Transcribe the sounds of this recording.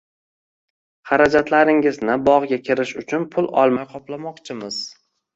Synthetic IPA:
χaɾad͡ʒat̪laɾɪŋɪznɪbɒʁɡʲakʲʰɪɾɪʃʊt͡ʃʰʊnpʰʊlˠɒ̰lˠmajqʰɒplamɒqt͡ʃʰɪmɪz̥

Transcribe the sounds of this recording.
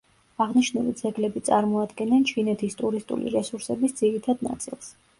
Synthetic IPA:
aʁniʃnulḭd̪z̥ɛɡlɛbit̪sʼaɾmɔad̪ɡɛnɛnt͡ʃʰinɛt̪ʰist̪ʼuɾist̪ʼṵlḭɾɛsuɾsɛbisd̪z̥iɾit̪ʰad̪̚na̰t̪sʼḭlˠs

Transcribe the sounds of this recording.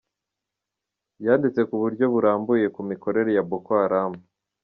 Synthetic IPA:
jaːndit͡se̞kuβuɾɟo̞βuɾaːmbuje̞kumiko̞ɾe̞ɾe̞jabokohaɾaːmu

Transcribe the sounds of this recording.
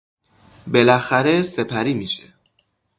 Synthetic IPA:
be̞læxæɾe̞sepʰæɾiːmiʃḛ

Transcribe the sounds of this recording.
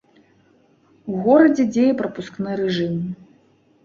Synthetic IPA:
uɣɔɾɐd͡zʲɛd͡zʲejɛpɾɐpusknɨɾɛʐɨm

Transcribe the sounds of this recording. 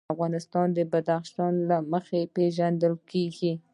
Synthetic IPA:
afɣɑnɪst̪ɑnd̪əbad̪axʃɑnlaməxepeʒand̪əlkeɡi

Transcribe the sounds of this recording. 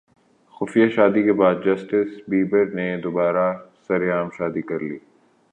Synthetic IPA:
xʊfijaʃaːd̪ikebaːd̪̚d͡ʒɐsʈɪsbiːbəɾned̪obaːɾasɐɾjaːmʃaːd̪ikɐɾliː

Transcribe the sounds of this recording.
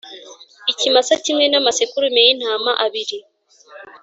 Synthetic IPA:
icimasacimŋe̞namasekuɾumejin̥aːmaʔaβiɾi

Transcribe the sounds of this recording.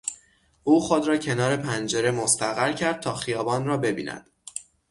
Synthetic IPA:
ʔuːxo̞d̪ɾɒːcʰe̞nɒːɾe̞pʰænd͡ʒe̞ɾe̞most̪æɣæɾcʰæɾd̪̚t̪ʰɒːxijɒːbɒːnrɒːbe̞bḭːnæ̰d̪̥

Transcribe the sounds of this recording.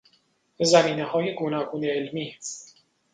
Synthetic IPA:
zæmiːnehɒːje̞ɡonɒːɡuːneːlmiː

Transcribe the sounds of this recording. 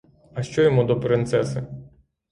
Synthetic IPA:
ɐʃt͡ʃɔjɔmud̪ɔpɾɪnt̪sɛsɪ

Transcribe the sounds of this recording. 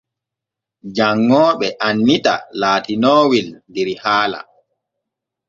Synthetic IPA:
d͡ʒaŋːɔːɓɛʔanːita̰laːtinɔːwilndɛɾihaːla̰

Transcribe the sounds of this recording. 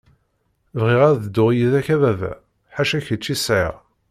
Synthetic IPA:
vʁiʁæɾðəd̪ːʊʁjiðæçævævæ̰ | ħaʃæçət͡ʃːisʕɪ̰ʁ

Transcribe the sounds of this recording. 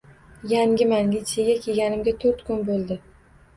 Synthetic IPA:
jaŋɡʲɪmaŋɡʲɪt͡ʃʰeɡʲakʲʰe̞ɡʲanɪmɡʲat̪ʰoɾt̪kʰʊnbolˠd̪ɪ

